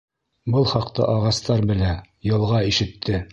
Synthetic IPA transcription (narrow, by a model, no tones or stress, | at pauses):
bɤlˠχɑqt̪ɤ̰ʔɑʁɑst̪ɑɾbɘ̆læ | jɤ̆lˠʁɑiʃɘ̆t̪ʰːɘ